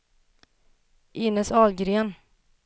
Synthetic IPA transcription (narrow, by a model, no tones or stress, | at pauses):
ʔɪnəsɑːlɡɾeːn